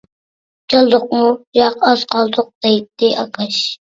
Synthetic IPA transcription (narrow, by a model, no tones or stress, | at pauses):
kʰɑlˠd̪ʊq̚mujɑqɑz̥qʰɑlˠd̪ʊq̚d̪ejt̪ːɪʔɑkʰɛʃ